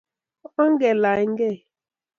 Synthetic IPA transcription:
ɔ˦ŋ̩˦ɡe˨la˨˦ŋ̩˦ɡe˦˨

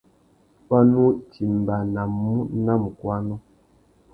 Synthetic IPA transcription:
pa˦nu˦ti˨m˨ba˨na˨mːu˦na˦m˨kwa˦nɔ˦

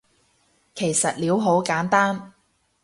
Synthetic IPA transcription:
kʰe˨˩jsɐ˨t̚liː˨˥wɦo˨˥wkaː˨˥nt̪aː˥n

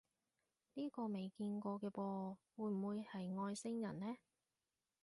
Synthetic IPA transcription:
niː˥kɔː˧me˨jkiː˧nkɔː˧kɛː˧pɔː˧wuː˨˧jm̩˨˩wuː˧jhɐ˨jŋɔː˧jsɪ˥ŋjɐ̰˨˩nlɛː˥

